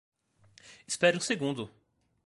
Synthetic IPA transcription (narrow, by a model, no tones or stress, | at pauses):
ɪ̥spɛɾɪũseɡũnd̪ʊ